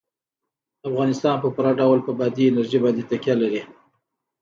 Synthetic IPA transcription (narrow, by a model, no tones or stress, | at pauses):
afɣɑnɪst̪ɑnpəpuɾɑɖawlpəbɑd̪iɪnaɾʒibɑnd̪et̪akjɑlaɾi